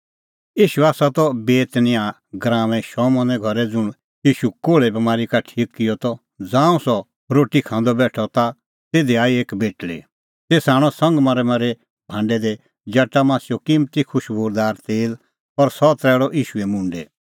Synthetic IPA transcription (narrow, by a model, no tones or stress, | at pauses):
iːʃuaːsat̪ɔbeːt̪nɪ̃ã | ɡɾãːmɛ̃ʃɔːmɔ̃nɛ̃ɡʱɔɾɛd͡zʊɽ̃ | iːʃukoːɭɛbɐmaːɾikaʈʰiːkːɪjɔt̪ɔ | d͡zãːũsɔ | ɾoːʈikʰãːnd̪ɔbɛːʈʰɔt̪a | t̪eːd̪eaːieːkbeːʈlḛ | t̪eːsaːɽ̃ɔ̃sɐ̃ŋɡmaɾɛmãɾɛ | bʱãːɳɖɛd̪ɛ | d͡ʒɐʈːamãːsɪjokɪmt̪ikʰʊʃboːɾd̪aːɾt̪eːl | ɔɾsɔt̪ɾɛːɭɔʔiːʃuɛmʊ̃ɳɖɛ